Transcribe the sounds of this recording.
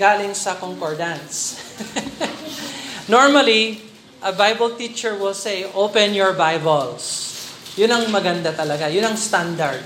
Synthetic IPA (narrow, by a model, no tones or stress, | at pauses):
ɡaːlɪŋsɐkoŋkɔɹd̪ɐ̃ns | noɹmɐli | ʔɐbajbɐlt̪it͡ʃɛɹwɪlsejʔopɛ̃njɔɹbajbɐlsjʊnɐŋmɐɡɐnd̪at̪ɐlɐɡajʊnɐŋst̪ãnd̪ɐɹd̪̚